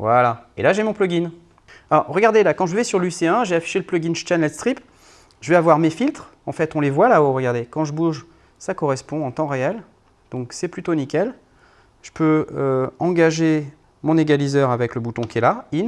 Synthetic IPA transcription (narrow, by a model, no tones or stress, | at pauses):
vwalaḛlaʒemɔ̃plɔɡʲin | aɔʁʁəɡaʁd̪elakɑ̃ʒəvɛsyʁlyseɛ̃ʒvɛafi̥ʃeləplɔɡʲint͡ʃanɛlst̪χip | ʒəvɛavwaʁmefilt̪χɑ̃fɛt̪ɔ̃levwalaoʁəɡaʁd̪ekɑ̃ʒəbuʒ | sakɔʁɛspɔ̃ɑ̃t̪ɑ̃ʁeɛl | d̪̥ɔ̃ksɛplyt̪onikʲɛl | ʒ̥ə̥pʰøøɑ̃ɡaʒe | mɔ̃neɡʲalizœʁavɛkləbut̪ɔ̃kʲiɛlain